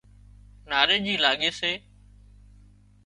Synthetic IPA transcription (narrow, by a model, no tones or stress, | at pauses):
naːɾeːʄiːlaːɠeːseː